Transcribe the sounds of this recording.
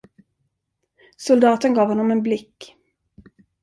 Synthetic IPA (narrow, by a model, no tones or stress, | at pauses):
sʊld̪ɑːt̪ənɡɑːvhɔnːɔmɛnblɪkː